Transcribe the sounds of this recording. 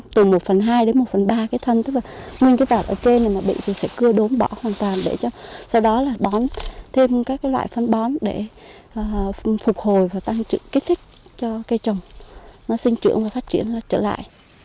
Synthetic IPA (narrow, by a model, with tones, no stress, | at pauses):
t̪ɨ˨˩mo˨˩t̚fə˨˩nɦaː˧jɗe˨˦nmo˨˩t̚fə˨˩nɓaː˧kaː˨˦t̪ʰə˧nt̪ɨ˦˥k̚laː˨˩ŋi˧ŋkaː˨˦jt̪aː˨˩ʔə̰˧˩ke˧naː˨˩naː˨˩ɓḭ˧˨t̪ʰi˨˩sɛ̰˧˥kɨ˧əɗo˨˦nɓɔ˧˩hwaː˨˩nt̪waː˨˩nɗe˧˩t͡ɕɔ˧sa˧wɗɔ˨˦laː˨˩ɓɔ˨˦nt̪ʰe˧mkaː˦˥k̚kaː˨˦jlwa̰ː˧˨jfə˧nɓɔ˨˦nɗe˧˩ | ʔːfʊ˨˩k͡p̚ho˨˩jvaː˨˩t̪a˧ŋt͡ɕɨ̰˧˥ki˦˥t̪ʰi˦˥k̟̚t͡ɕɔ˧ka˧jt͡ɕə˨˩wŋ͡mnɔ˨˦sï˧ŋ̟t͡ɕɨ̰˧˩˥əŋvaː˨˩faː˦˥t̚t͡ɕḭ˧˩ənlaː˨˩t͡ɕə̰ː˧˩la̰ː˧˨jʔ